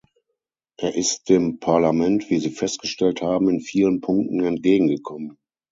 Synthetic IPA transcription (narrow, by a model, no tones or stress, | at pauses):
ʔeːɐʔɪst̚d̥eːmpʰaɐlamɛntv̥iːziːfɛst̚ɡ̥əʃtɛlthaːbm̩ɪnfiːlənpʰʊŋk̚tn̩ɛnt̚ɡ̥eːɡŋ̩ɡəkʰɔmən